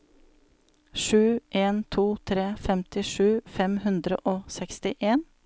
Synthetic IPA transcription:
ʂʉːʔeːnt̪ʰuːt̪ʰɾeːfɛmt̪ɪʂʉːfɛmhʉnd̪ɾə̰ʔoːsɛkst̪ɪʔeːn

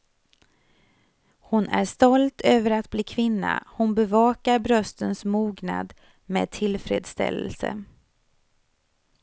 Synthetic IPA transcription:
hʊnæ̰ʂt̪ɔlt̪ʰøːvəɾat̪̚bliːkʰvɪnːa̰hʊnbɛvɑːkaɾbɾœst̪ənsmuːɡna̰d̪ | mḛːd̪̚t̪ʰɪlfɾḛːd̪st̪ɛ̰lːə̰lsə̰

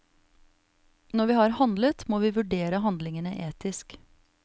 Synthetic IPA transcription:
nɔʋiːhɑːɾhɑnd̪lət̪moːʋiːʋʉɖeːɾəɦɑnd̪lɪŋənəʔeːt̪ɪsk

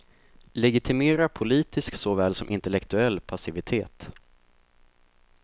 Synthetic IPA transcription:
lɛɡɪt̪ʰɪmeːɾapʰʊliːt̪ɪsksɔvɛːlsɔmʔɪnt̪ɛlɛkt̪ɵɛlːpʰasɪvɪt̪ʰeːt̪

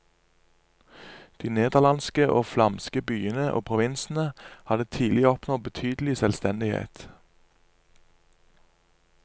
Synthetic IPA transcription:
d̪̥iːneːd̪əʁlɑnskəʔoːflɑmskəbyːənəʔo̰ːpʰʁʊʋɪnsn̩əhɑd̪ət̪ʰiːlɪɔpnɔbət̪ʰyːd̪l̩ɪsɛlst̪ɛnd̪ɪhḛːt̪

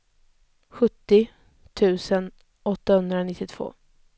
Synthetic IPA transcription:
ɧɵt̪ːɪ | t̪ʰʉ̟ːsən | ɔt̪ːahɵnd̪ɾanɪt̪ːɪt̪ʰv̥o̰ː

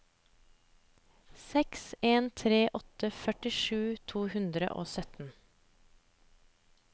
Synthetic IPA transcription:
sɛkseːnt̪ʰɾeːʔɔt̪əfœʈɪʃʉːt̪ʰuːhʉnd̪ɾə̰ʔo̰ːsœt̪n̩

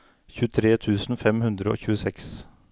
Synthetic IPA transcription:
çʉːt̪ʰɾeːt̪ʰʉːsn̩fɛmhʉnd̪ɾəo̰ːçʉːəsɛks

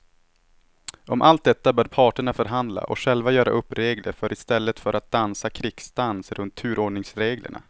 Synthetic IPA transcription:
ɔmʔalt̪̚d̪ɛt̪ːabœːɖpʰɑːʈəɳafœɾɦand̪la̰ʔɔ̰ɧɛlvajœːɾa̰ʔɵpːɾeːɡlə̰ɾfœɾʔɪst̪ɛlːət̪fœɾʔat̪̚d̪ansakʰɾɪkst̪ansɾɵnt̪ʰːʉ̟ːɾoːɖɳɪŋsɾeːɡlə̰ɳa̰

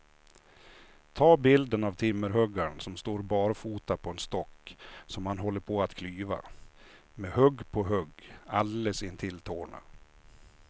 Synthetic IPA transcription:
t̪ʰɑːbɪld̪ənavt̪ʰɪmːəɾɦœɡːaɳsɔmst̪oːɾbɑːɾfuːt̪apʰɔɛnst̪ɔkːsɔmhanɦɔlːəɾpʰɔat̪kʰlyːva̰ | mɛhœɡːpʰɔɦœɡalləsɪnt̪ʰɪlt̪ʰoːɳa̰

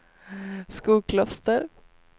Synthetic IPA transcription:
skuːkʰlɔst̪əɾ

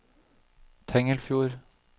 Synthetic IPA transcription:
t̪ʰɛŋəlfjuːɾ

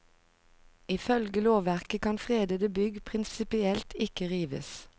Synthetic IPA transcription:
ɪfœlɡəloːʋæʁkəkʰɑnfʁeːd̪əd̪əbʏɡpʰʁɪnsɪpɪɛlt̪ʰɪkəʁiːʋə̰s

